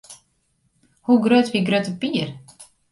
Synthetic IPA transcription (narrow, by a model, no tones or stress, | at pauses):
hɵɡɾøːt̪viɡɾøːt̪əpiːɾ